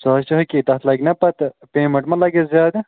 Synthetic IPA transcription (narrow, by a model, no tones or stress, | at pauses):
saːʃt͡ʃɐɦɐkit̪ɐt̪lɐɡnɐpɐt̪peːmɐɳʈmɐlɐɡezjaːd̪